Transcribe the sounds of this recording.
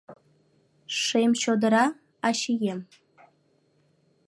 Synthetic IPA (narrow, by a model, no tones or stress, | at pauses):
ʂemɕod̪əɾɑ | ɑɕijem